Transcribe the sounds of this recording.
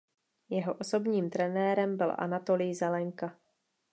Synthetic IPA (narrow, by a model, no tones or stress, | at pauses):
jɛɦo̞ʔo̞so̞bɲiːmt̪ɾɛnɛːɾɛmbɪlʔa̰nat̪o̞lɪjzɛlɛŋka